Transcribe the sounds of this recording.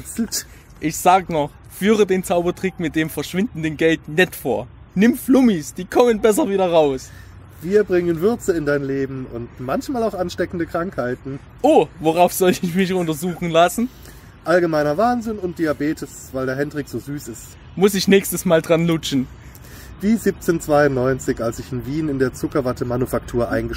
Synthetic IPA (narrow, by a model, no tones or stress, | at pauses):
sl̩t | ʔɪçz̥aːɡənɔχ | fyːʁ̞ədeːnt͡saʊbɐtʁ̥ɪkmɪt̚d̥eːmfɛɐʃv̥ɪndn̩dənɡɛltnɛtfoːɐ | nɪmflʊmisd̥iːkʰɔmənbɛs̬ɐviːɾɐʁaʊs | viːɐbʁɪŋənvʏɐt͡səɪndaɪnleːbm̩ʊ̰ntmançmaːlaʊxʔanʃtɛkn̩dəkʁ̥aŋkhaɪtn̩ | ʔoːvoʁaʊfz̥ɔltəɪçmɪçʊntɐzuːxŋ̩lasn̩ | ʔalɡəmaɪnɐvaːnzɪnʊnt̚d̥iːabeːtʰɪsv̥aɪldeːɐɦɛndʁiːkz̥oːzyːsɪst | mʊsɪçnɛːçstəsmaːldʁanlʊt͡ʃn̩ | viːziːp̚t͡seːnt͡sv̥aɪʊnːɔʏnt͡sɪçalsɪçɪnviːnɪndeːɐt͡sʊkɐvatəmanufaktʰuːɐʔa̰ɪnɡə